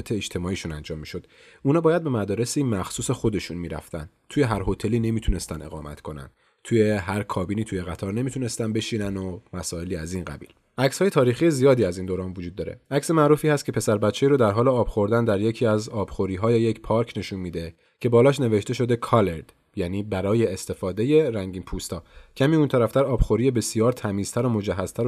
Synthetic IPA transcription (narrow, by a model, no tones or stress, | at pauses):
et̪ʰeːd͡ʒt̪ʰe̞mɒːiːʃunænd͡ʒɒːmːiʃo̞d̪̥ | uːnɒːbɒːjæd̪̚be̞mæd̪ɒːɾe̞simæxsuːsexo̞d̪e̞ʃunmiːɾæ̰ft̪ʰæ̰n | t̪ʰuje̞ɦæɾɦo̞t̪ʰe̞liːne̞miːt̪ʰune̞st̪æne̞ɣɒ̰ːmæ̰t̪kʰo̞næ̰n | t̪ʰuje̞ɦæɾkʰɒːbiːniːt̪ʰuje̞ɣæt̪ʰɒɾne̞mit̪ʰune̞st̪ænd̪be̞ʃiːnænomæsɒːe̞liːæzinɢæ̰bḭːl | ʔæcshɒːje̞t̪ʰɒːɾiːxije̞zijɒːd̪iːæzind̪oːɾɒːnvod͡ʒud̪ːɒːɾe̞̰ʔæcse̞mæʔɾuːfiːhæst̪̚cʰe̞pʰe̞sæɾbæt̪t͡ʃʰːeiːɾod̪æɾɦɒːleɒːb̥xo̞ɾd̪ænd̪æɾje̞cʰiːæzɒːb̥xoɾiːɦɒːjejecpʰɒɾcʰne̞ʃunmiːd̪e̞ | cʰe̞bɒːlɒːʃne̞ve̞ʃt̪e̞ʃo̞d̪e̞kʰɒleɾd̪̥ | jæniːbæɾɒːje̞ːst̪e̞fɒːd̪e̞je̞ɾæŋɟiːnpʰust̪ʰɒːcʰæmiunt̪ʰæɾæft̪æɾɒːb̥xoɾijebe̞sijɒːɾt̪ʰæmiːz̥t̪æɾomo̞d͡ʒæɦːæz̥t̪ʰæɾo